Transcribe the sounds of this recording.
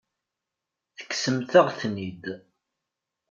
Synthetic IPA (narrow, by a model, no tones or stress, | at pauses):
θə̥kːsəmθəʁθnid̪